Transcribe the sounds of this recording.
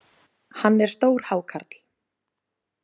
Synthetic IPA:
hanːɛɾ̥st̪oːwɾ̥haːwkʰaɾt̪l

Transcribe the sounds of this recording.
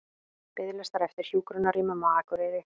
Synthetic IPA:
p̪ɪðɪlɛst̪aɾɛft̪ɪɾ̥sjuːkɾʏnaɾimamaːðakʏɾeðɪ

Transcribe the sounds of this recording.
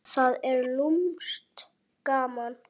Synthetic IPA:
θaðɛɾlumst̪ | kaːman

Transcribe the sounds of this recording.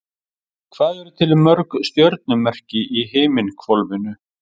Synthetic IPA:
kʰvaːðɛɾʏt̪ʰɪlmːœɾkst̪jœɾt̪̚nʏmɛr̥cɪʔiɦeːjmɪnkʰvɔlvɪnʏ

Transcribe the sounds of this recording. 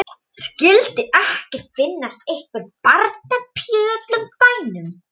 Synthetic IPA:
scɪlt̪ɪʔɛhcɪfɪnːast̪ejhkvʏɾpaɾt̪̚napʰjœːðœt̪lʏmpaːjnʏm

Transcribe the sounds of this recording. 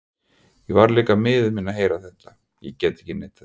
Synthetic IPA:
jɛvaɾliːkamɪːðʏmiːnːaɦeːjɾaθɛht̪ːa | jɛ̰cɛːt̪ɛhcɪneːjt̪a

